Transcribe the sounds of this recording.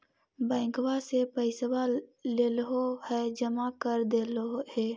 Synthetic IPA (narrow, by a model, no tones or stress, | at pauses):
bɛ̃ːŋkwasepəɪswaleːlɦohɛd͡ʒəmakəɾd̪eːlohɛː